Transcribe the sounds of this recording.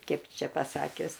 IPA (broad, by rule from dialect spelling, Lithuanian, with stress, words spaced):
ˈkɐɪp ˈt͡ʃʲɛ pɐˈsɑːkʲʊs